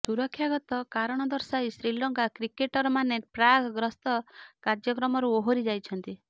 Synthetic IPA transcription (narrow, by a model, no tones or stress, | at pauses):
suɾɔkʰːjaɡɔt̪ɔkaɾɔɽ̃ɔd̪ɔɾsajsɾilɔŋkakɾikeʈɔɾɔmanepɾaɡɡɾɔst̪ɔkaɾd͡ʒjɔkɾɔmɔɾuoɦoɾid͡ʒajt͡ʃʰɔnt̪i